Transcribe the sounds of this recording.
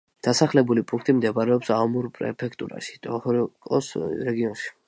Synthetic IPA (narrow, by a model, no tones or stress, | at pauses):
d̪̥asaχlɛbulipʼũŋkʰt̪ʼimd̪ɛbaɾɛɔpsaɔmuɾpʼɾɛ̰pʰɛk̚ʰt̪ʼṵɾa̰ʃi̥t̪ʼɔhɾkʼɔ̰sɾɛɡiɔnʃi̥